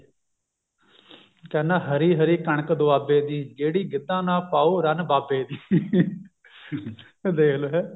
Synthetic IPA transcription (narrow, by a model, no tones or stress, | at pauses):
kɛːnãːɦəɾiːɦəɾiːkəɳ̃əkd̪ʊaːbeːd̪iːd͡ʒeːɽiːɡɪd̪ːãːnãːpaːoːɾənbaːbeːd̪iː | d̪eːkloɦɛː